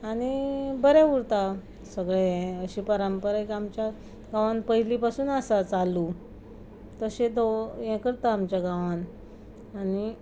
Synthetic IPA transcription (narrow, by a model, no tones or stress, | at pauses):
aɽ̃ibəɾɛ̃ʋuɽt̪a | səɡɭeəɕipəɾəmpəɾakiamt͡ɕja | ɡaʋãnpəɦilipasuːnasat͡salːu | t̪əɕed̪ojɛ̃kəɾt̪aːmt͡ɕjaɡaʋan | ani